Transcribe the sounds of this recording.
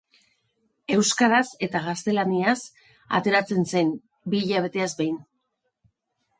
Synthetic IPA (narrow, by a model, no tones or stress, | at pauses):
e̞wskaðase̞t̪aɣast̪e̞lanias | a̰t̪e̞ɾat͡se̞nse̞n | biːʎaβ̞e̞t̪e̞azbejn